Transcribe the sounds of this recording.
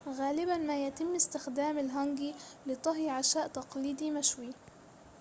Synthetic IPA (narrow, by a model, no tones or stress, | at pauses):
ɣaːlɪbanmajat̪ɪmːɪst̪ɪxd̪aːmɪlɦaŋɡilɪt̪ˤɑɦjʕaʃaːʔt̪ɑqliːd̪imaʃwi